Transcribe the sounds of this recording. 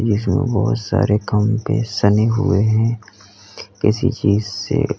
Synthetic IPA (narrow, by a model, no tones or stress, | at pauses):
d͡ʒiːzmḛ̃bɔɦʊt̪sa̰ːɾekɐmpesɐneɦʊeɦɛ̃ː | kɪsit͡ʃiːzse